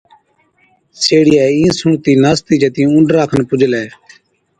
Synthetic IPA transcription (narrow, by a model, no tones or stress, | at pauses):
seːɽɪjaːĩːsũːt̪iːnaːst̪iːd͡ʒət̪ĩːʊ̃ɳɖɾaːkʰənpʊd͡ʒʱlɛː